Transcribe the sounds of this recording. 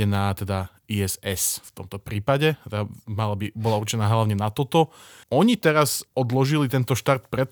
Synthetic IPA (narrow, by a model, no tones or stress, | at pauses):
ɛnaːt̪ɛd̪a | iɛzɛsft̪ɔmt̪ɔpɾiːpaɟɛɛɛamalabibɔlaurt͡ʃɛnaːɦlaʊɲɛnat̪ɔt̪ɔ | ɔɲit̪ɛɾasɔd̪lɔʒilit̪ɛnt̪ɔʃt̪aɾt̪pɾɛt̪